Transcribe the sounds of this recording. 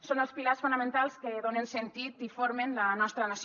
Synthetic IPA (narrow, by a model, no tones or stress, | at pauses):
sonəlˠspilarsfunəmẽnt̪alˠskeðonensent̪it̪ifoɾmenlənɔst̪ɾənas